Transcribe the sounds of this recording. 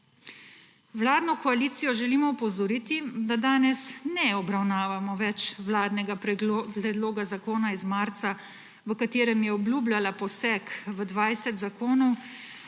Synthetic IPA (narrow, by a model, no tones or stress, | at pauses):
wlaːd̪nɔkɔaliːt̪sijɔʒɛliːmɔɔpɔzɔɾiːt̪id̪ad̪aːnɛsnɛɔbɾawnaːʋamɔʋɛt͡ʃwlaːd̪nɛɡapɾɛpɾɛd̪loːɡazakoːnaizmaːɾt̪sa | ʋəkat̪eːɾɛmjɛɔblʲuːblʲalapɔsɛkʋəd̪ʋajsɛt̪zakoːnɔw